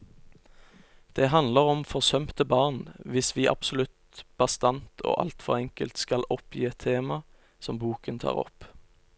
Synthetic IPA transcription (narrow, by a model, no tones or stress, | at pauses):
d̪̥ɛːɦɑnd̪ləʁɔmfɔʁsœmt̪əbɑːʁnʋɪsʋiːʔɑ̰b̥sɔlʉt̪ | b̥ɑst̪ɑnt̪ʰo̰ːʔɑ̰lt̪fɔ̰ʁɛŋkəlt̪skɑlɔpjiːɛt̪ʰːeːmɑ | sɔmbuːkənt̪ʰɑ̰ːʁɔ̰p